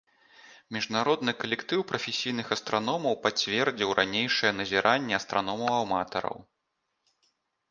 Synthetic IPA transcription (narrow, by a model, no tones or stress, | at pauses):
mʲiʐnaɾɔd̪nɨkɐlʲɛkt̪ɨwpɾɐfʲesʲijnɨxɐst̪ɾʔanɔmɐwpat͡sʲvʲɛrd͡zʲiwɾʔanʲejʂɐjɛnɐzʲiɾʔanʲːɛɐst̪ɾʔanɔmɐwawmat̪ɐ̰ɾɐ̰w